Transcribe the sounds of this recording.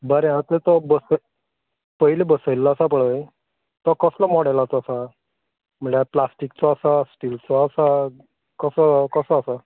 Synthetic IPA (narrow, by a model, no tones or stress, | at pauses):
bəɾẽãt̪et̪ɔbəsə | pəɦilebəsəjlːaːsapəɭəj | t̪ɔkəslamɔɽajlat̪ɔːsa | m̤əɳaplasʈikt͡sɔasasʈilt͡sɔːsa | kəsəkəsəːsa